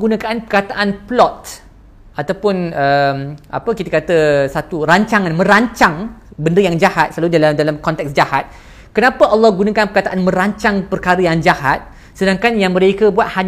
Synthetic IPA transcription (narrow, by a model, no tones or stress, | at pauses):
ɡunakaanpərkat̪aʔanplɔt̪̚ | ʔat̪awpʊnəmʔa̰pəkit̪əkat̪əsat̪uɾaɲt͡ʃaŋãnmə̃ɾaɲt͡ʃaŋbəndəjaŋd͡ʒahat̪̚səlaludaladalamkɔnt̪ɛk̚sd͡ʒahat̪̚ | kənapəʔɑlːɑhɡunakanpərkat̪aʔanmə̃ɾaɲt͡ʃaŋpərkaɾəjaŋd͡ʒahat̪̚ | sədaŋkanjaŋmə̃ɾekəbuat̪̚haɲ